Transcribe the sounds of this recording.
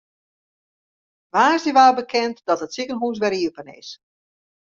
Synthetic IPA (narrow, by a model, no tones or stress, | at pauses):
ʋaːsəʋaːbəkʰɛntd̥ɔtətsikənɦus̬ʋɛɾiəpənɪ̰s